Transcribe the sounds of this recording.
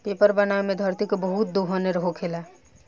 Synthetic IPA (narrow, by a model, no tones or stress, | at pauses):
pepəɾbənamed̪ʱəɾt̪ikbəɦut̪̚d̪oɦəneɾəɦokʰela